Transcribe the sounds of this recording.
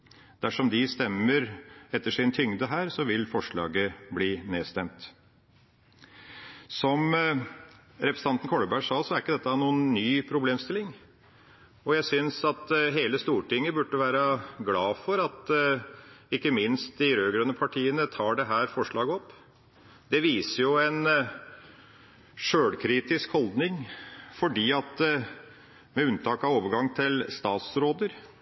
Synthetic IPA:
d̪̥æʂɔmd̪ɪst̪ɛmːəɾɛt̪ːəʂɪnt̪ʰʏŋd̪əɦæːɾsɔʋɪlfɔʂɭɑ̰ːɡəbliːneːst̪ɛmt̪ | sɔm | ɾɛpʰɾəsəɑnt̪n̩kʰɔɽəbæʂɑːsɔæɾɪkːəd̪ɛt̪ːɑnuːənːyːpʰɾʊbleːmst̪ɪlɪŋ | ɔjæɪsʏnsɑt̪ɦeːləst̪uːʈʰɪŋːəbʉʈːəʋæːɾəɡlɑːfɔɾɑt̪ | ɪkːəmɪnst̪̚d̪ɪɾøːɡɾœnːəpʰɑʈʰiːənət̪ʰɑːɖɛɦæːɾfɔʂɭɑːɡəɔpː | d̪ɛʋiːsəjʊɛn | ʂøːɽkʰɾiːt̪ɪskhɔld̪nɪŋfɔɖiːɑt̪ | mɛʉnt̪ʰɑːkɑʋoːʋəɾɡɑŋːt̪ʰɪlst̪ɑːt̪sɾoːd̪əɾ

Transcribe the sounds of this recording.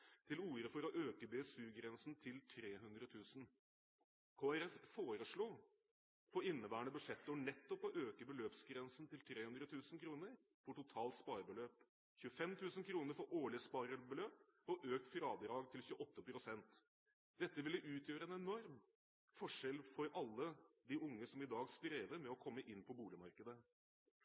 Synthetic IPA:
t̪ʰɪluːɾəfɔɾɔʔøːkəbesʉːɡɾɛnsn̩t̪ʰɪlt̪ʰɾeːɦʉnd̪ɾət̪ʰʉːsn̩ | kʰoːæɾɛffoːɾəʂɭuː | pʰɔɪnːəbæːəɳəbʉʂɛt̪ːəɔɳɛt̪ːɔpɔʔøːkəbəløːpsɡɾɛnsn̩t̪ɪlt̪ʰɾeːhʉnd̪ɾət̪ʰʉːsn̩kʰɾuːnəɾ | fɔʈʊt̪ʰɑːlt̪spɑːɾbəløːp | çʉəfɛmt̪ʰʉːsənkʰɾuːnəɾfɔʔoːɭɪəspɑɾəbəløːp | ɔʔøːk̚t̪fɾɑːd̪əɾɑːɡt̪ʰɪlçʉːəʔɔt̪ːəpʰɾʊsɛnt̪ | d̪̥ɛt̪ːəʋɪlːəʔʉːt̪ʰjøːɾəɛnɛnɔɾm | fɔʂɛlfɔɾɑlːəd̪ɪʊŋːəsɔmɪd̪ɑːɡst̪ɾeːʋəɾmɛɔkʰɔmːəʔɪnːpʰɔbuːlɪmɑɾkəd̪ə

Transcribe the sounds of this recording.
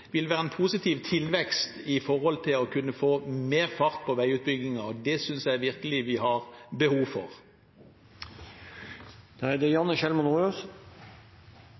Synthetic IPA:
ʋɪlʋæːʁəɛnpʰuːsɪt̪ʰiːʋt̪ʰɪlʋɛkst̪ɪfɔʁhɔlt̪ʰɪlɔkʰʉnːəfoːmeːʁfɑʁt̪̚pʰɔʋæɪʉːt̪̚bʏɡɪŋɑɔd̪ɛsʏnsjæɪʋɪʁkəlɪʋɪɦɑʁbəhuːʋfɔ̰ʁ | d̪̥ɑɛd̪ɛjɑnːəʃɛlmɔnøːs

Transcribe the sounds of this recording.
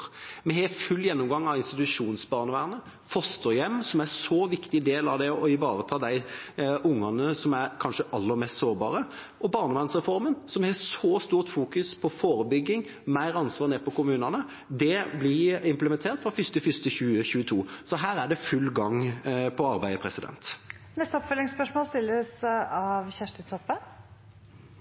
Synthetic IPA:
mɛɦɛfʉlːjɛnːʊmɡɑŋːɑʋɪnst̪ɪt̪ʉʂuːnsbɑːʁnəʋæːʁnə | fɔst̪əjɛmːsɔmæsoʋɪkt̪ɪd̪eːlɑʋd̪ɛɔɪʋɑːɾət̪ʰɑːd̪æɪʔʊŋːɑnəsɔmæɾkʰɑnʂəʔɑlːəɾmeːst̪soːɾbɑ̰ːɾə | ʔɔbɑːɾnəʋæːʁnsʁɛfɔɾmənsɔmhɛsɔːst̪uːʁt̪fuːkʉspʰɔfoːɾəbʏɡːɪŋ | mæɪɾɑnsʋɑːɾneːpɔkʊmʉːnɑnə | d̪ɛblɪɪmpləmɛnt̪ʰeːɾt̪fɾɑfʏst̪əfʏst̪əçʉːəçʉːət̪ʰuːsɔɦæːɾæɖɛfʉlːɡɑŋpʰɔɑɾbæɪd̪əpʰɾɛsɪd̪ɛ̰nt̪ | nɛst̪əɔpfœlɪŋspœʂmoːlst̪ɪlːəsɑʋçæʂʈət̪ʰɔpːə

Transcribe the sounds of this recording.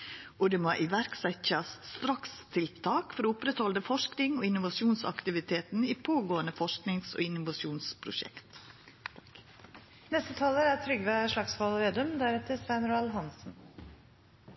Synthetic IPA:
ʔɔd̪ɛːmoʔɪʋæɾksɛçɑsst̪ɾɑkst̪ʰɪlt̪ʰɑːkfɔɾoʊpɾɛt̪hɔləfɔʂknɪŋoːɪnʊʋɑʃɪuːnsɑ̰kt̪ɪʋɪt̪ʰeːt̪n̩iːpʰoːɡoːənəfɔʂknɪŋso̰ːɪnʊʋɑʂuːnspʰɾʊ̰ʃɛ̰kt̪ | nɛst̪ət̪ʰɑːləɾæt̪ʰɾʏɡʋeʂɭɑksfɑlɔeːd̪œmd̪æɾɛt̪əsʋæɪnɾɔɑlɦɑnsn̩

